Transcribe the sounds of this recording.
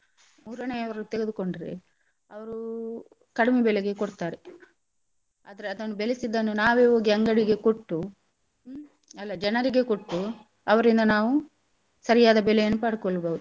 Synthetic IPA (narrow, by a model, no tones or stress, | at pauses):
muːɾɐneɐʋɐɾut̪eɡed̪uko̞ɳɖiɾḛ | ɐʋɐɾu | kɐɽimebɛleɡe̞koɽt̪aːɾe | aːd̪ɐɾeɐd̪ɐnːubelesid̪ːɐnːunaːʋeːoːɡiɐŋɡɐɽiɡe̞koʈːu | ɐlːɐd͡ʒɛnɐɾiɡe̞ko̞ʈːu | ɐʋɐɾind̪ɐnaːʋu | sɐɾijaːd̪ɐbɛlɛjɐnːupaːɽukoɭːɐbɐːwud̪u